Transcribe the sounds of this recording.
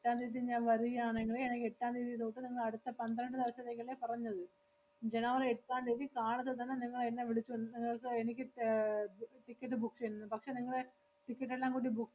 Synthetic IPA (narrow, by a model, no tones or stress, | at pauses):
eʈːaːnɾiːt̪̬ːiɲaːnʋɐɾuɣɐaːɳiŋːɐɭeenɐkʲːeʈːaːnɾiːt̪ijt̪oːʈːɨniŋːɐɭɐɽut̪ːɐpɐnd̪ɐɾɐɳɖɨd̪iʋɐsɐt̪ːeːkːɐlːepɐrɐɲːɐðɨ | d͡ʑe̞nɐʋɐreeʈːaːndiːðikaːɳɐt̪ːɐt̪ɐnːeniŋːɐɭenːeʋiɭit͡ɕːuunɨniŋːɐɭkɨenikʲːɨ | ʈikʲːɐʈːɨbuksenunːɨpɐkʂeniŋːɐɭe | ʈikʲːɐʈ̬ːelːaːŋkuːɽibuk